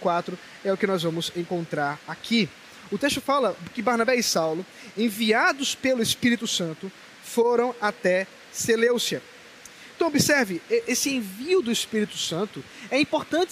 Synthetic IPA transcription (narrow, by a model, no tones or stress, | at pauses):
kwat̪ɾʊ | ɛʊkɪnɔzvɐ̃mʊzẽŋkõnt̪ɾaɾakʰi | ʊt̪eʃt̪ʊfalɐkɪbaɾnabɛisawlʊ | ẽviad̪ʊspelʊespiɾit̪ʊsɐ̃nt̪ʊ | foɾɐ̃w̃at̪ɛ | selewsiɐ | ẽt̪ɐ̃w̃bɪsɛɾvɪʔesɪẽviʊd̪ʊespiɾit̪ʊsɐ̃nt̪ʊ | ɛĩpoɾt̪ɐ̃t͡ʃ